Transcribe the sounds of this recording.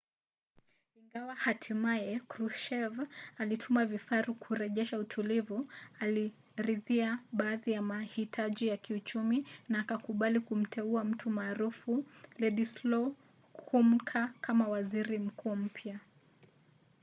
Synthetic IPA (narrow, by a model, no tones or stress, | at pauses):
iŋɡawahatʰimajɛkɾuʃɛvalitʰumavifaɾukʰuɾɛʄɛʃautʰulivuali | ɾiðiaɓaːðijamahitʰaʄijakiut͡ʃuminaːkakuɓalikum̩tʰɛuam̩tumaːɾufulɛɗislɔ | kʰum̩kʰakʰamawaziɾim̩kuːm̩pʰja